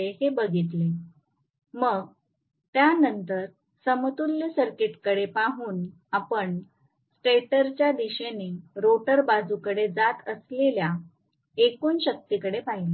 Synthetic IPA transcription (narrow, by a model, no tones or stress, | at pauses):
ehebəɡʱit̪le | məɡ | t̪janənt̪əɾ | səmət̪ulːəsəɾkeʈkəɽepaɦuːn | apəɳ | sʈeʈəɾt͡ɕjad̪iɕeneɾoʈəɾbad͡zukəɽed͡zat̪əslelja | ekuːnɕək̚t̪ikəɽepaɦile